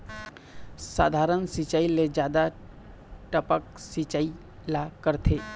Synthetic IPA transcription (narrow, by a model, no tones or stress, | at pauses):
sa̰ːd̪ʱaːɾənsit͡ʃaːiled͡ʒjaːd̪a | ʈəpəksit͡ʃaːi | lakəɾt̪ʰeː